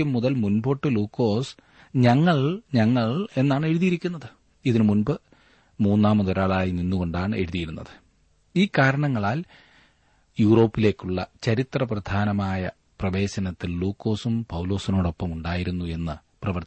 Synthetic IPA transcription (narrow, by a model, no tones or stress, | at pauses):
ɐmːuðɐlmunbo̞ːʈːɨluːkːo̞ːs | ɲɐŋːɐɭɲɐŋːɐɭe̞nːaːɳe̞ɻuðijiɾikʲːunːɐðɨ | iðinɨmunbɨ | muːnːaːmɐðoɾaːɭaːjininːuɣo̞ɳɖaːɳɨe̞̰ɻuðijiɾunːɐ̰ðɨ̥ | iːkaːɾɐɳɐŋːɐɭaːl | juːro̞ːpːile̞ːkːuɭːɐt͡ɕɐɾit̪rɐprɐd̪ʱaːnɐmaːjɐ̰ | prɐʋe̞ːɕɐnɐt̪ːilluːkːo̞ːsumpɐwlo̞ːsino̞ːɽo̞pːɐmuɳɖaːjiɾunːue̞nːɨ | prɐʋɐr